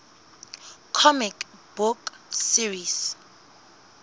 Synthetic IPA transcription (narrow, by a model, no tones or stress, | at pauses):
kʰɔmikb̥uksiris